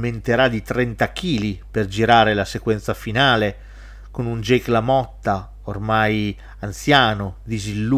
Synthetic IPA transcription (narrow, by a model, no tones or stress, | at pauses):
ment̪eɾad̪it̪ɾɛnt̪ak̟iːliperd͡ʒiɾaːɾelasekwɛnt̪safinaːle | konund͡ʒeklamɔt̪ːa | ormaj | ant̪sjaːnod̪izilːu